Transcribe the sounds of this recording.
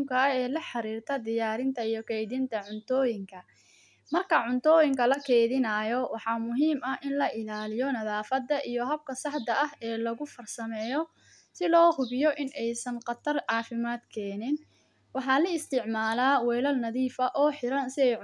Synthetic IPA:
mkʰɐɛːlɐħɑɾiːrt̪ʰɐd̪ɪjaːɾɪnt̪ʰɐijɔkʰɛjðɪnt̪ʰɐʕʊnt̪ʰɔːjɪŋkʰɐ | mɐrkʰɐʕʊnt̪ʰɔːjɪŋkʰɐlɐkʰɛːjðɪnaːjɔwɑħɑmʊɦiːmɐʔɪnlɐʔɪlaːlɪjɔnɐðaːfɐd̪ɐʔijɔɦɐb̚kʰɐsɑħd̪ɐɐɦɛːlɐɣʊfɐrsɐmɛːjɔ | sɪlɔːhʊβɪjɔʔɪnʔɛjsɐnqɑt̪ʰɐrʕɑːfɪmaːd̪kʰɛːnɪn | wɑħɑːlɐɪst̪ʰɪʕmaːlaːwɛjlɐlnɐðiːfɐʔɔːħɪɾɐnsɪɛj

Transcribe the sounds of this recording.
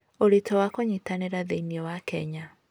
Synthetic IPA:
oɾetɔwakoɲitaneɾaðeiniɔwakɛ̰ɲa

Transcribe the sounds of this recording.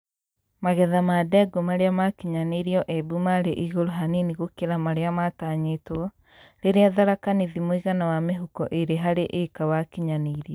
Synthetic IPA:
maɣɛðamadɛɡomaɾeamakiɲaneɾiɔʔebumaɾeʔiɣoɾoɦaniniɣokeɾamaɾeamataɲetwɔ | ɾeɾeaðaɾakaniðimoiɣanawameɦukɔʔeɾeɦaɾeʔekawakiɲaneɾiɔ

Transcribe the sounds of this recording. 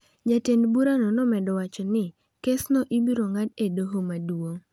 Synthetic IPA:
d͡ʒatendbuɾanɔnɔmɛdɔwat͡ʃɔnɪ | kesnɔʔibiɾoŋadedoɦomadwoŋ

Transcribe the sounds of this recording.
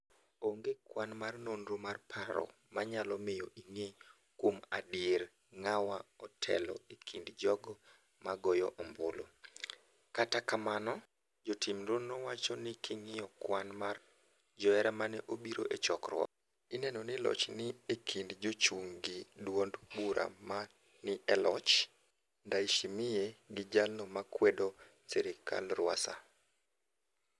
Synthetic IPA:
oŋɡekwanmarnondɾomarpʰaɾɔ̰ | maɲalɔmɪjɔʔiŋe | kwoma̰dɪeɾ | ŋawaɔtʰɛ̰lɔ̰ekʰindd͡ʒɔɡɔ | maɡɔjɔʔɔmbolo̰ | katakamanɔ | d͡ʒotimɾonowat͡ʃɔnɪkʰɪŋɪjɔkwanmar | d͡ʒɔɛɾamanɛʔobiɾo̰ʔet͡ʃɔkɾwɔ̰ | inɛnonɪlɔ̰t͡ʃnɪekʰindd͡ʒot͡ʃuŋɡidwondbuɾʔa̰ma | nɪʔɛlɔt͡ʃ | ndaiʃimɪjeɡɪd͡ʒalomakwɛdo | sɛɾɪkʰa̰lrwa̰sa̰

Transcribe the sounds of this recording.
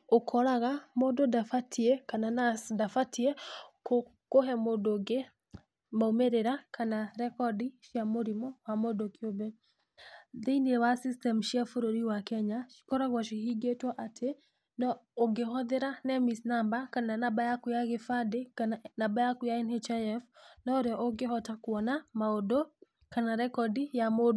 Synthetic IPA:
okʰɔɾaɣamododafatʰiɛkananadafatʰiɛko | koɦɛmodoɡe | maomeɾeɾakʰanaɾɛkɔdiʃjamoɾimɔwamodokjobɛ | ðeinewasistɛmuʃiafoɾoɾiwakɛɲaʃi̥kɔɾaɣwaʃihiɡetwaʔatʰe | nɔoɡehɔðeɾanɛmisnambakananabajakujaɣefadenabajakujaɛnet͡ʃaɛfnɔoɾeɔʔoɡehɔtakwɔnamaodo | kanaɾɛkɔdijamod

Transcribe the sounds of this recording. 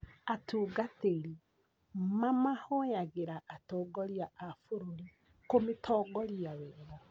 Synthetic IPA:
atuːɡateɾi | mamahɔjaɣeɾaʔːtɔːɡɔɾiaʔafoɾoɾi | kometʰɔːɡɔɾjawɛːɾɔ

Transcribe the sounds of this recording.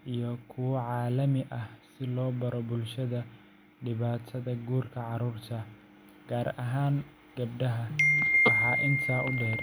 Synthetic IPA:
ʔijɞkʰʊwɐʕɑːlɐmɪʔɐhsɪlɔːbɐɾɔbʊlʃɐðɐ | ɖɪβaːt̪ʰɐðɐɡuːrkʰɐʕɑɾuːrt̪ʰɐ | ɡ̥aːɾɐɦaːŋ | ɡ̥ɐbɖɐɦɐwɑħɑːʔɪnt̪ʰaːʔʊɖɛːr

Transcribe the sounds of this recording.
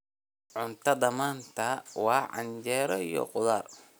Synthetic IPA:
ʕʊnt̪ʰɐd̪ɐmaːnt̪ʰɐwɑːʕɑ̰ɲt͡ʃɛːɾɔijɔ̰qʊðaːr

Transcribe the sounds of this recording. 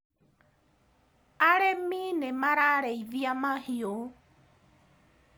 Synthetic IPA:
aɾeminẽmaɾaɾeiviamãhio

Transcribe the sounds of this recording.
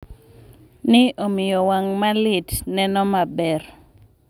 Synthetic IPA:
nɪʔomɪjɔwaŋmalɪtnɛnɔmabɛr

